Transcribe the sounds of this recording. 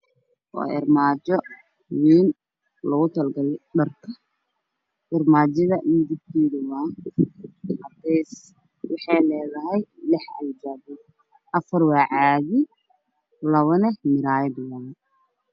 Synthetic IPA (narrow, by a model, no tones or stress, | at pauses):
wɑ̰ːɪrmaːt͡ʃɔ | wiːn | lɔɣʊt̪ʰɐlɡɐlɖɐrkʰɐ | ʔɪrmaːt͡ʃɐðɐd̪ɪb̚kʰiːdʊwaːn | hɐd̪ɛs | wɑħɑjlɛːðɐɦɛjlɪħɐ̰ld͡ʒɐːbʊ | ʔɐfɐrwɑːʕaːɣɪ | lɐβɐnɛmɪɾaːjɐd̪waːn